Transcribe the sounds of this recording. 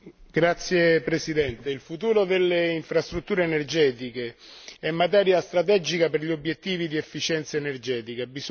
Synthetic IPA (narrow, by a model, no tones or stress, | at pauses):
ɡ̥ɾat̪sːjepɾesid̪ɛnt̪eilfut̪uːɾod̪elːeiɱfɾast̪ɾut̪ːuːɾeːnerd͡ʒɛːt̪ike | ɛmːat̪ɛːɾjast̪ɾat̪ɛd͡ʒikaperʎiobjet̪ːiːvid̪iefːit͡ʃɛnt̪saenerd͡ʒɛːt̪ikabiz